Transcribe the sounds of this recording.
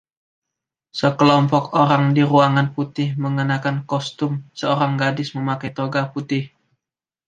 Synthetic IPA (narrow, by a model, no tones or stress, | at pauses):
səkəlɔmpɔkoɾaŋdiɾuaŋanput̪ɪhməŋənakankɔst̪ʊmsəoɾaŋɡadɪsməmakajt̪oɡaput̪ɪh